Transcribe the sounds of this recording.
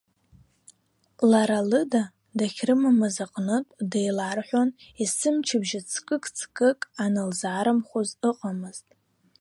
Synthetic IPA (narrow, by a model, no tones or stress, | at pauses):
laɾalɨda | daχʲrɨmamazaqʼnɨtʼdejlarħʷᶣonisɨmt͡ʃʰɪbʒat͡sʰkʼɨkʼt͡sʰkʼɨkʼanɨlzʕaɾɨmχʷozɨqʼamɨztʼ